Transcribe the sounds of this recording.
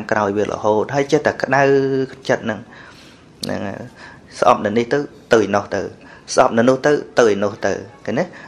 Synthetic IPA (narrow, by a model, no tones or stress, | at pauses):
ŋkrʔaɔjʋiəlʔə̰hoːt̪̚ɦaːjt͡ɕət̪ːakə̆ɗawt͡ɕət̪̚nɨŋ | nɨ̰ŋ̰ | sʔɑ̰p̚nɨniht̪ɨwt̪ɨːjnoht̪ɨ̰w | sʔɑ̰p̚nɨnʊ̆əht̪ɨwt̪ɨːjnoəht̪ɨ̰wkanɛ